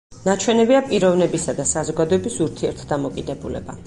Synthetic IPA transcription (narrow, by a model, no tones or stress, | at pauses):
nat͡ʃʰwɛnɛbiapʼiɾɔvnɛbisad̪asazɔɡad̪ɔɛbisuɾt̪ʰiɛɾt̪ʰd̪amɔkʼid̪ɛbulɛ̰ba̰